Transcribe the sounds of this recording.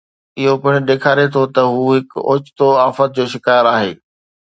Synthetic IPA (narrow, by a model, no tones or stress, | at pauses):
ɪɦopɪɽ̃ɗ̪eːkʰaːɾet̪ʰot̪ɐɦuːɦɪko̰ːt͡ɕɪ̥t̪oaːfət̪̚d͡ʑoːʃɪkaːɾaːɦḛː